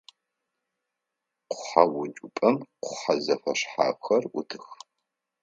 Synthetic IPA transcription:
qʷʊ̥ħawʊd͡ʒʼʊpʼɐmqʷʊħazɐfɐʂħa̰ːxɐrʔʷʊtʰɨx

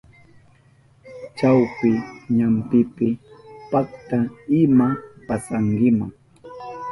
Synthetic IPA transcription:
t͡ʃawpɪɲampɪpɪpak̚t̪aɪmapasaŋɡɪmaŋ

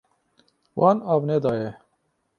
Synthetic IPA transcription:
wʔɑːnɑːbned̪ɑːjɛ

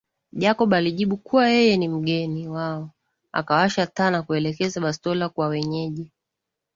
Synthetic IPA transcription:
ʄakɔɓaliʄiɓukuwajɛjɛnim̩ɠɛniwaɔ | a̰kawaʃataːnakuɛlɛkɛzaɓastɔlakwawɛɲɛʄi

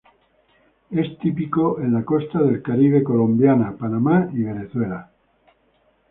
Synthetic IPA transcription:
e̞st̪ipikoʔe̞nlako̞st̪aðe̞lkaɾiβ̞e̞ko̞lõ̞mbjanapanamaiβ̞e̞ne̞θwe̞la

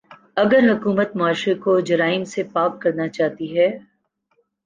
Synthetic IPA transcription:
ɐɡəɾɦʊkuːmət̪mʊaːʃekod͡ʒɐɾaːɪmsepaːkkɐɾnat͡ʃaːɦt̪iɦɛː

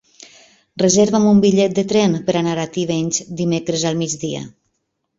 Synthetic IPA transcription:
rəzeɾβamumbiʎɛt̪̚d̪ət̪ɾɛnpəɾanaɾat̪iβeɲʲzd̪imekɾəzalˠmid͡zðiə̰

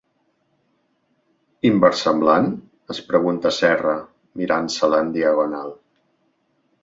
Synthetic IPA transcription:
imbəɾsəmblan | əspɾəɣunt̪əsɛrə | miɾansələnd̪iəɣ̞onalˠ

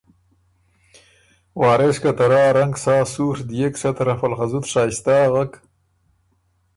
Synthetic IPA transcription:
wɑːɾeskat̪aɾɑːɾaŋɡsɑːsuɾd̪ijeksat̪ɾafalxazut̪ʂɑːjst̪ɑːɣak

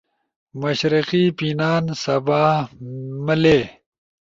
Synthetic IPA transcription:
mɐɕɾiqipinaːnsɐbaː | məleː

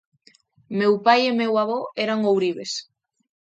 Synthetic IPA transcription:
mewpajemewaβɔɛɾaŋowɾiβes

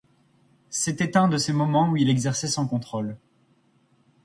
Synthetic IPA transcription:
set̪ɛt̪ɛ̃d̪əsemɔmɑ̃uilɛɡzɛʁsɛsɑ̃kɔ̃t̪χol

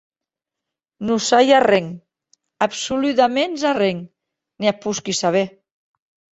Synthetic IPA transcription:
nusajareŋ | apsulut̪amenzareŋ | niapuskisaβe

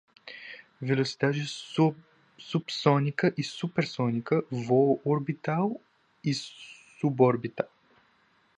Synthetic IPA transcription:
vɛlʲˠosi̥d̪aʒi | supsɔnʲikəʔisupɛɾsɔnʲikəvoʔoɾbit̪alˠ | isubɔɾbit̪alˠ

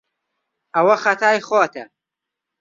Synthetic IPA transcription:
ɐwɐxɐt̪ʰaːjxoːt̪ʰɐ̰

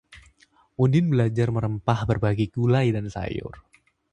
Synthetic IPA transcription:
ʔundɪnbəlad͡ʒarməɾəmpahbərbaɡikulajdansa̰jʊ̰r

